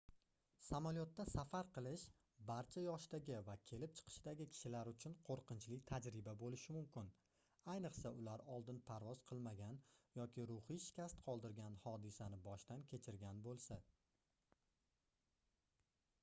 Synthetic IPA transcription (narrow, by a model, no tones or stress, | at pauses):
samaljɒt̪ːasafaɾqɨlˠɪʃ | baɾt͡ʃʰajɒʃd̪aɡʲɪvakʲʰe̞lɪp̚t͡ʃʰɨ̥qʰɨ̥ʃd̪aɡʲɪkʲʰɪ̥ʃɪlaɾʊt͡ʃʰʊnqʰoɾqʰɨnt͡ʃlɪkʲt̪ʰad͡ʒɾɪbabolɪʃɪmʊmkʲɪn | ajnɨqsaʊlaɾɒlˠd̪ɪnpʰaɾvɒzqʰɨlˠmaɡʲanjɒkʲɪɾʊhiʃɪ̥kʲast̪qʰɒlˠd̪ɪɾɡʲanhɒd̪ɪsanɪbɒʃt̪ankʲʰe̞t͡ʃʰɪɾɡʲanbolˠsa